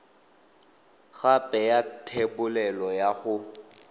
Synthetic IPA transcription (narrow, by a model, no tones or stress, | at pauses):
ɣapʼɛjatʰebʊlɛlɔjaɣʊ